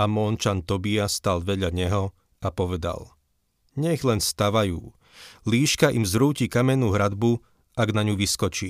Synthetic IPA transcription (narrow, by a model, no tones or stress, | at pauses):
amɔːnt͡ʃant̪ɔbiast̪alʋɛɟʎaɲɛɦɔ | apɔʋɛd̪a̰l | ɲɛɣlɛnst̪aʋajṵː | liːʃkaʔimzɾuːciːkamɛnːuːɦɾad̪bu | aɡnaɲuʋiskɔt͡ʃiː